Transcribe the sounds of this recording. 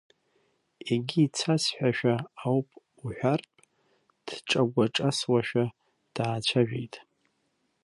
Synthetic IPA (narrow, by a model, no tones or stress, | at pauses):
eɡʲiːt͡sʰasħʷᶣaʃᶣaːwpʼ | uħʷᶣarpʼ | d̥ʈ͡ʂʼaɡʷaʈ͡ʂʼaswaʃᶣa | d̥aːt͡ʃʷʰaʒᶣejtʼ